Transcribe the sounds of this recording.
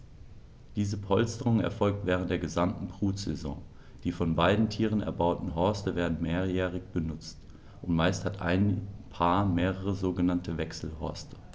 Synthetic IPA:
d̥iːzəpʰɔlstəʁʊŋɛ̰ɐfɔlk̚tv̥ɛːʁ̞əntd̥eːɐɡəzamtn̩bʁuːtz̥ɛ̰zɔ̰̃ː | d̥iːfɔnbaɪdn̩tʰiːʁənɛ̰ɐbaʊtn̩ɦɔɐstəveːɐdn̩meːɐjɛːʁɪçb̥ənʊt͡st | ʔʊntmaɪsthatʰʔa̰ɪnpʰaːɐmeːʁəʁəzoːɡənantʰəvɛksl̩hɔ̰ɐstə̥

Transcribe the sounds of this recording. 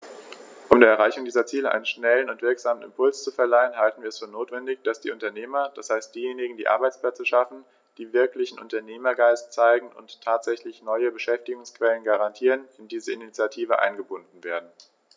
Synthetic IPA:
ʔʊmdeːɐɛɐʁaɪçʊŋdiːzɐt͡siːləʔa̰ɪnənʃnɛlənʊntv̥ɪɐkz̥aːmənɪ̰mpʰʊlst͡sufɛɐlaɪənɦaltn̩viɐɛsfyːɐnoːtv̥ɛndɪçd̥asd̥ḭːʔʊntɐneːmɐd̥ashaɪst̚d̥iːjeːnɪɡŋ̩diːʔa̰ɐbaɪt͡spl̥ɛt͡səʃafn̩ | d̥iːvɪɐklɪçn̩ʔʊ̰ntɐneːmɐɡaɪstt͡saɪɡŋ̩ʔʊ̰nttʰːaːtz̥ɛçlɪçnɔʏəbəʃɛftɪɡʊŋskv̥ɛlənɡaʁantʰiːʁənɪndiːzəɪnit͡sjatʰiːvəʔa̰ɪnɡəbʊndn̩veːɐdn̩

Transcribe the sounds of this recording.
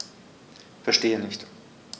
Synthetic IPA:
fɛɐʃteːənɪçt

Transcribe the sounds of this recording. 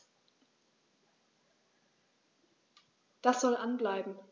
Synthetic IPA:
d̥asz̥ɔlʔanblaɪbm̩

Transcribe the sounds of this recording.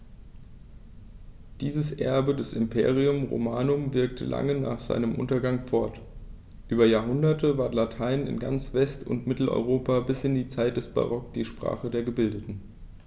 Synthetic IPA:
d̥iːzəsʔɛɐbədɛsɪmpʰḛːʁiʊmʁo̰maːnʊmvɪɐk̚tʰə̰lʔa̰ŋəna̰ːχz̥a̰ɪnəmʔʊntɐɡaŋfɔɐt | ʔyːbɐjaːɐɦʊndɐtʰəvaɐtlatʰaɪnɪ̰nɡa̰nt͡sv̥ɛstʰʊ̰ntmɪtl̩ʔɔ̰ʏʁ̞oːpabɪsɪndiːt͡saɪt̚d̥ɛsb̥a̰ʁɔk̚d̥iːʃpʁ̥a̰ːχədeːɐɡəbɪldətn̩

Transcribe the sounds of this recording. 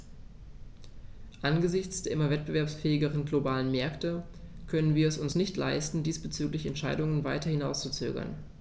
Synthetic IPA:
ʔanɡəzɪçt͡sd̥eːɐʔɪmɐvɛt̚b̥əvɛɐpsfɛːɪɡəʁ̞ənɡlobaːlənmɛɐktə | kʰœnənviːɐɛsʊnsnɪçtlaɪstn̩diːsb̥ət͡syːklɪçɛntʃaɪdʊŋənvaɪtɐhɪnaʊst͡sut͡sø̰ːɡɐ̰n

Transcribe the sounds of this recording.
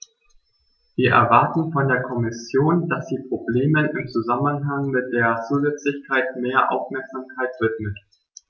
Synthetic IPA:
viːɐʔɛ̰ɐvaɐtn̩fɔndeːɐkʰɔmɪsjoːnd̥asz̥iːpʁ̥obleːmənɪmt͡suzamənɦaŋmɪt̚d̥eːɐt͡suːzɛt͡slɪçkʰaɪtmeːɐʔa̰ʊfmɛɐkz̥aːmkʰaɪtv̥ɪtmət

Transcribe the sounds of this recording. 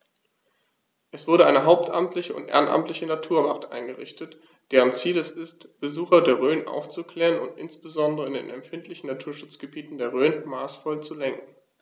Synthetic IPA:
ʔɛsv̥ʊɐɾəʔaɪnəɦaʊp̚tʔa̰mtʰlɪçəʊ̰ntʔḛːʁənʔa̰mtlɪçənatʰuːɐvaʁtʔa̰ɪnɡəʁɪ̰çtət | d̥eːʁ̞ənt͡siːlɛsɪstb̥əzuːxɐdeːɐʁøːnʔa̰ʊft͡sukl̥ɛːʁənʊ̰ntʔɪ̰nsb̥əzɔndəʁəɪndḛːnɛ̰mfɪntlɪçn̩natʰuːɐʃʊt͡sɡ̥əbiːtn̩deːɐʁøːnmaːsfɔlt͡sulɛŋkŋ̩

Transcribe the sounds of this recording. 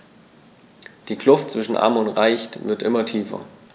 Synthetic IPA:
d̥iːkʰlʊftt͡sv̥ɪʃn̩ʔa̰ɐmʊntʁaɪçtvɪɐtʔɪmɐtʰiːfɐ̰

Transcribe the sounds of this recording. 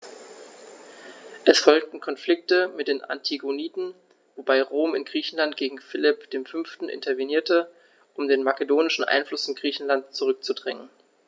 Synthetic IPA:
ʔɛsfɔlk̚tn̩kʰɔnflɪk̚təmɪt̚d̥eːna̰ntʰiɡoniːtn̩ | vobaɪʁoːmɪnɡʁiːçn̩lantɡ̥eːɡŋ̩fɪlɪpd̥eːmfʏnftn̩ʔɪ̰ntɐveniːɐtə | ʔʊmdeːnmakədoːnɪʃn̩ʔa̰ɪnflʊsɪnɡʁiːçn̩lantt͡suʁʏk̚t͡sudʁɛŋən

